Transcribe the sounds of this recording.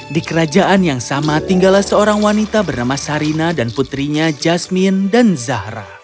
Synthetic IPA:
dikəɾad͡ʒaʔanjaŋsamat̪iŋɡalahsəoɾaŋwanit̪abərnamasaɾinadanput̪ɾiɲad͡ʒasmindanzahɾa̰

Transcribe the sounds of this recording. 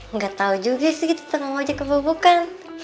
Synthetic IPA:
ŋɡat̪aud͡ʒuɡasiɡit̪u̥t̪əmaŋod͡ʒakəbəbukan

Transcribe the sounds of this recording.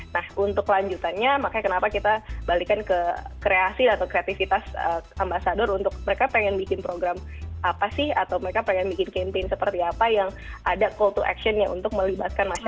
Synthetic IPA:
nahunt̪ʊklaɲd͡ʒut̪anɲamakakənapakit̪abalikankəkɾeasiat̪awkɾeat̪ifit̪asəambasadʊɾunt̪ʊk̚məɾekapeŋɛnbikɪnpɾoɡɾamʔapasɪha̰t̪awməɾekapeŋɛnbikɪnkempensəpərt̪iapajaŋadakɔlt̪uʔɛ̰kʃɔnɲaʔṵnt̪ʊk̚məlibat̪̚kanma

